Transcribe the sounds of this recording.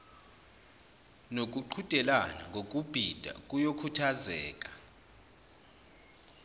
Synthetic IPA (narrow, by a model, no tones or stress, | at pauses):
nok̬ʼuǃʰutʼɛlana̰ŋɡʱok̬ʼub̥ʱid̥ʱa̰kʼujokʰutʰazɛ̰ːkʼḁ